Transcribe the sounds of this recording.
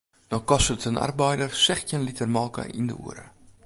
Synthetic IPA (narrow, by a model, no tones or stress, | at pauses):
d̥ɔkɔsətəna̰rbəjdərsɛχcənlitərmɑːkə̰ʔḭndə̰ṵəɾə̰